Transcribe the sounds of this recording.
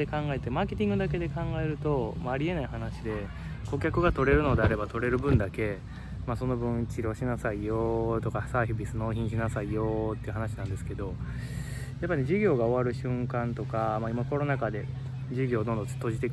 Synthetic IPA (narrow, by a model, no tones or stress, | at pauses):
e̞kãŋɡae̞t̪e̞maːke̞t̪ʲĩŋɡɯ̟d̪ak̬e̞d̪e̞kãŋɡae̞ɾɯ̟t̪o̞maːɾʲie̞naihanaɕid̪e̞ | ko̞kʲakɯ̟ɡat̪o̞ɾe̞ɾɯ̟no̞d̪e̞aɾe̞bat̪o̞ɾe̞ɾɯ̟bɯ̟̃nd̪ake̞ | maso̞no̞bɯ̃ɰ̃t͡ɕiɾo̞ɕinasaijot̪o̞kasaːɸɯ̟bʲisɨno̞ːçĩɲ̃ɕ̬inasaijo̞t̪ːe̞iɯ̟ɦanaɕinãnd̪e̞sɨ̥ke̞d̪o̞ | japːaineʑiɡʲo̞ːɡao̞βaɾɯ̟ɕɨ̃ŋkãnt̪o̞kamaimako̞ɾo̞nakad̪e̞ | d͡ʑiɡʲo̞ːd̪õ̞nd̪õt͡sɨ̥t̪ːoʑit̪e̞k